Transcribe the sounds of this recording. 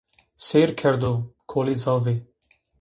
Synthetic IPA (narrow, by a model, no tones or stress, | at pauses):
seːɾkʰɛɾd̪oːkʰoːlizɑːveː